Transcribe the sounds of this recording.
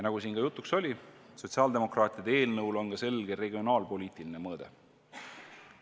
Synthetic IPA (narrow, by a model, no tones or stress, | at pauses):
jɑnɑɡ̥usiːnɡɑjut̪ːˑukso̞lʲiso̞t̪ʲsiɑːld̪e̞mo̞krɑːt̪ʲˑid̪̥ee̞ːlnɤwlo̞nɡɑse̞lɡ̥e̞ɾe̞ɡʲio̞nɑːlpo̞lʲiːt̪ˑiline̞mɤːd̪̥e̞̰